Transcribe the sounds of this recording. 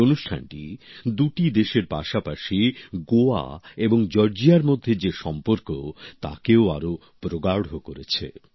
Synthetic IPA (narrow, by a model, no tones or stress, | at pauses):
onuʃʈʰa̰nʈḭd̪uʈid̪eʃeɾpa̰ʃapaʃiɡoa̰eboŋd͡ʑɔɾd͡ʑiaɾmod̪ʱːed͡ʑeʃɔmpoɾkot̪a̰keoa̰ɾo | pɾoɡaɽɦokoɾet͡ɕʰḛ